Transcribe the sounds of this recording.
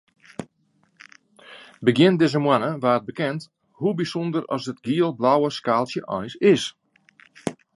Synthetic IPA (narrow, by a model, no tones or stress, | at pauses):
bəɡjɪndɪzəmwanəʋaːt̚bəkɛnt | hubisɔndərɔ̰sət̚ɡiəlˠblawəskaːlˠsjəʔɔ̰jsɪs